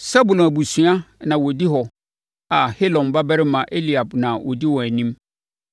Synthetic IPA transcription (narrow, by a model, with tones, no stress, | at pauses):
sa˦bu˨lɔ̃˨æ˨bu˨sɥa˦nã˨wɔ˨di˦ɦɔ˨ | a˨he˦lɔ̃˨nba˦bɛ˦ɾɪ˦mã˨ʔe˦li˨a˨bnã˨wʔɔ̰˨di˦wɔ˨æ˨nĩ˦m